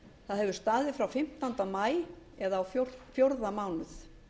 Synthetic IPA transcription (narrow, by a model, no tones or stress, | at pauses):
θaðhɛvʏ̥ɾ̥st̪aːðɪfɾawfɪm̥t̪ant̪amaːj | ɛðaːwfjoɾfjoɾðamaːwnʏθ